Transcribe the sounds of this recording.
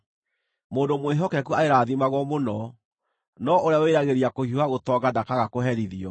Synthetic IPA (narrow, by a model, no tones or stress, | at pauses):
moːndomweɦɔkɛk̬uaeɾaːðimaɣwɔmonɔ | nɔʔoɾeaweɾaɣeɾiakohiwaɣotɔːɡadakaɣakoɦɛɾiðiɔ